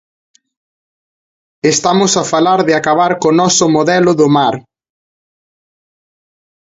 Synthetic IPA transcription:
est̪amʊsafalaɾðɪakaβaɾkonɔsʊmoðɛlʊðʊmaɾ

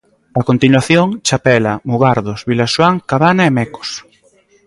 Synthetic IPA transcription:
akont̪inwaθjoŋt͡ʃapɛlamuɣaɾðosβilaʃwaŋkaβanaemɛko̥s

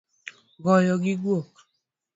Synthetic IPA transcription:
ɡɔjɔɡiɡuok

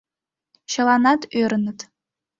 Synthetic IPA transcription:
ɕɤ̆lˠɑnɑt̪øɾɘ̆nɘ̆t̪

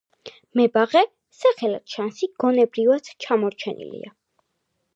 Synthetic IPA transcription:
mɛbaʁɛ | saχɛla̰t̪ʃansiɡ̥ɔnɛbɾivad̪t͡ʃʰamɔɾt͡ʃʰɛnḭlḭa

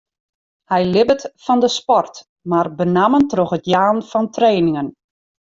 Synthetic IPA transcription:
hɛjlɪbətfɔndəspɔrt | marbənaməntroxətjaːnfɔntreːnɪŋən

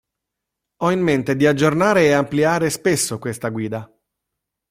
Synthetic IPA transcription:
ɔinːent̪ed̪iad͡ʒːornaːɾeːampliaːɾespesːokwest̪aɡwiːd̪a

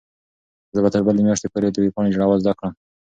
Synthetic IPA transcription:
zəbat̪əɾbəlemjɑʂt̪epoɾed̪əwipɑɳed͡ʒaɽawazd̪akɽəm

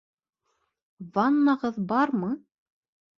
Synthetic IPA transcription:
vɑnːɑʁɤðbɑɾmɤ

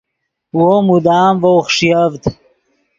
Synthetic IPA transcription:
womud̪aːmvowχʂjɐvt̪

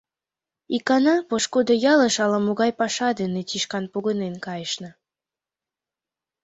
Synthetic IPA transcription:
ikɑnɑpoʃkod̪ɤjɑləʃɑlɑmoɣɑjpɑʃɑd̪ənet͡ɕiʃkɑnpoɣənenkɑjəʃnɤ̆

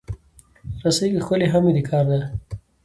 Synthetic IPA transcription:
ɾasajɡixkəleɦamid̪ikʰɑːɾd̪a

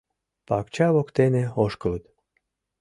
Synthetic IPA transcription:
pɑ̰kt͡ɕɑβokt̪eneoʃkɤ̆lət̪

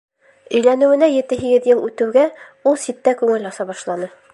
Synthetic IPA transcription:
ɵ̆jlænɘ̆wɘ̆næjɘ̆t̪ɘɦiɡɘðjɤlˠʉt̪ɘ̆wɡæ | ulˠsit̪ːækʉŋɘlɒsɑbɒʃlˠɑnɤ

